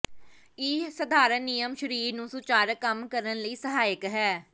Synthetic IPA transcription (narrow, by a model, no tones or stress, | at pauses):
iːsəd̪ʱaːɾənːijəmʃəɾiːɾnũːsʊt͡ʃaːɾkəmkəɾənləiːsəɦaːɪkɦɛː